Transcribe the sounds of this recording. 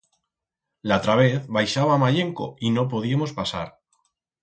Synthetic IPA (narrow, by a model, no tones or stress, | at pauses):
lat̪ɾaβ̞e̞θβajʃaβamaʎe̞ŋko̞̰ino̞p̬o̞ð̞iamo̞spasa̰ɾ